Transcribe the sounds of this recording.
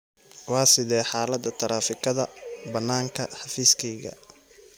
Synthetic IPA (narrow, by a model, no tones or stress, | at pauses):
wɑːsɪðɛːħɑːlɐd̪ɐt̪ʰɐɾaːfɪkʰɐðɐ̰bɐnːaːŋkʰɐ̰ħɑfiːskʰɛjɣɐ̰